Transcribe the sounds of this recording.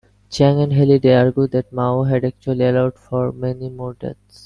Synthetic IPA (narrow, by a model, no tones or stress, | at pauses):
t͡ʃɛ̃ŋɛ̃nɖɦɛliɖeaɾɡud̪ɛʈ̚maoɦɛɖɛk̚t͡ʃuəlielaʊɖfɔɾmɛnimoɖḛt̪s